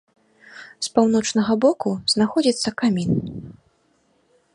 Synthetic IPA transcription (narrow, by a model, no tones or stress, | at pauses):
spawnɔt͡ʂnɐɣɐbɔkuznaxɔd͡zʲit̪sːɐkamʲin